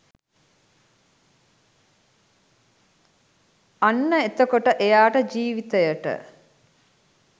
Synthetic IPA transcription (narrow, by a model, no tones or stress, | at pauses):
anːəet̪əkoʈəʔejaːʈəd͡ʒiːʋit̪əjəʈə̰